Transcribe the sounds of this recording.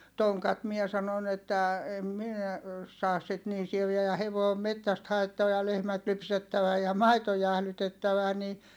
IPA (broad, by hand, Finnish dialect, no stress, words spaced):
toŋkɑt mie sɑnon etːæ em minæ sɑːs sit niː sieʋiæ jɑ heʋoˑi̯ om metːæst hɑetːɑʋɑ jɑ lehmæt lypsetːæʋæ jɑ mɑito jæhlytetːæʋæ ni